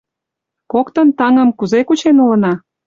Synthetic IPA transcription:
kokt̪ə̆nt̪ɑŋəmkuzekut͡ɕenulə̆nɑ

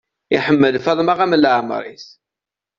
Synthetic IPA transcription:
iħəmːəlfɑðˤmaʁæməlːʕm̰ɾˤḭθ

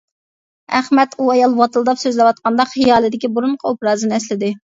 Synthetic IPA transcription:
æχmɛt̪uɑjɑlˠwɑt̪ɨlˠd̪ɑpsøzlɛwɑt̪̚qɑnd̪ɑχijɑːlˠɨd̪ɪkʲibuɾuɴqʰɑopɾɑːzɨnɛslɪd̪ɪ

